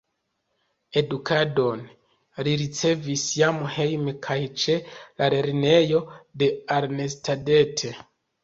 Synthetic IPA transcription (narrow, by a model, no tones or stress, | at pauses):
e̞dukado̞n | ɾiɾit͡se̞visjamhe̞jmkʰajt͡ʃe̞laɾeɾne̞jo̞de̞aɾne̞stade̞tʰe